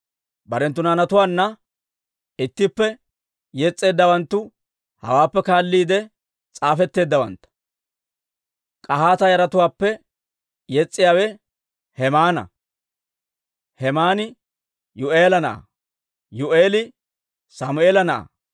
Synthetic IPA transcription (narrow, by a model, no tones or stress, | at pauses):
bɐɾɛnt̪ːʊnaːnɐt̪ʊwaːnːɐ | ɪt̪ːɪpːɛ | jɛt͡sʼːe̞ːd̪ːɐwɐnt̪ːʊ | hɐ̰waːpːɛkaːlːiːd̪ɛ | t͡sʼaːfɛt̪ːe̞ːd̪ːɐwɐ̰nt̪ːɐ̥ | kʼɐɦaːt̪ɐjɐɾɐt̪ʊwaːpːɛ | jɛt͡sʼːɪjaːwɛ | hɛmaːnɐ̰ | hɛmaːnɪ | jʊʔe̞ːlɐnɐʔɐ̰ | jʊʔeːlɪ | samʊeːlɐnɐʔɐ̰